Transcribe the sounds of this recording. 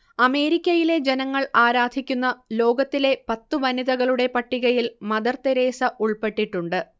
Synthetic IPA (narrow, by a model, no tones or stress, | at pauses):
ɐme̞ːɾikʲːɐjile̞d͡ʑe̞nɐŋːɐɭaːɾaːd̪ʱikʲːunːɐlo̞ːɡɐt̪ːile̞pɐt̪ːuʋɐniðɐɣɐɭuɽe̞pɐʈːiɣɐjilmɐd̪ɐrt̪eɾe̞ːsɐʔuɭpe̞ʈːiʈːuɳɖɨ